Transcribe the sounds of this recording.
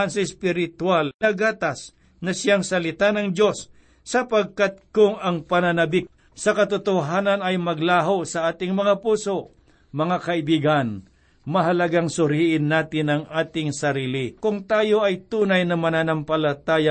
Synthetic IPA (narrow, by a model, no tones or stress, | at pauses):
ɐnsɐɪspɪɾɪt̪walnɐɡaːt̪as | nɐsɪaŋsɐlɪt̪anɐŋd̪jo̞sː | ɐpɐɡ̚kat̪̚kʊŋɐŋpɐnanɐbɪk̚ | sɐkɐt̪ʊt̪oɦaːnɐnɐjmɐɡlaːɦosɐʔaːt̪ɪŋmɐŋapuːso̞ʔ | mɐŋakɐɪbiːɡɐn | mɐɦɐlɐɡaŋsʊɾiʔɪnːaːt̪ɪnɐŋʔaːt̪ɪŋsɐɾiːlɪkʊŋt̪aːjo̞ʔɐjt̪uːnɐjnɐmɐnanɐmpɐlɐt̪aːja